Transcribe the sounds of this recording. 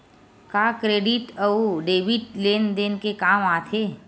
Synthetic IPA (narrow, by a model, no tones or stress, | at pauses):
kaːkɾeːɖiʈəuɖeːʋiʈleːnd̪eːnkekaːmaːt̪ʰeː